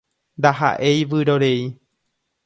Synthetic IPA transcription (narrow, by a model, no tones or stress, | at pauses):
nd̪aɦa̰ʔe̞jʋɨɾoɾei